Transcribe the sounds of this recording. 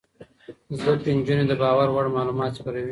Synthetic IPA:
zd̪ək̚t̪end͡ʒuned̪əbɑwaɾwaɽmɑlumɑt̪spaɾawi

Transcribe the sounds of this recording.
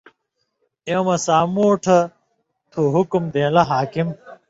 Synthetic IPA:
emɐsaːmoːʈʰɐ | t̪ʰuɦukumd̪ẽːlɐɦaːkim

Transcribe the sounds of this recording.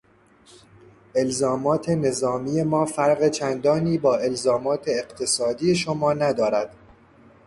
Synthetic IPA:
ʔe̞lzɒːmɒːt̪ʰe̞ne̞zɒːmiːje̞mɒːfæɾɢet͡ʃʰænd̪ɒːniːbɒːe̞lzɒːmɒːt̪ʰe̞ːɢt̪ʰe̞sɒːd̪iːje̞ʃomɒːnæd̪ɒːɾæd̪̥

